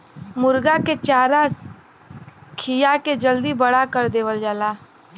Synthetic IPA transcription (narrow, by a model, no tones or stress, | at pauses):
mʊɾɡaket͡ʃaːɾa | kʰijaked͡ʒəld̪ibəɽakəɾd̪eːʋəld͡ʒaːlaː